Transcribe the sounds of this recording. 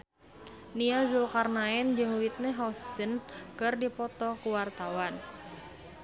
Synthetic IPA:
niazulkarnaɛnd͡ʒɨŋwit̪̚nəɦɔst̪ənkɨrdipɔt̪ɔkuwart̪awan

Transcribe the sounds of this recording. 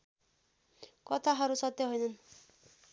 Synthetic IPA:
kɔt̪ʰaɦaɾusʌt̪jɔɦɔjnan

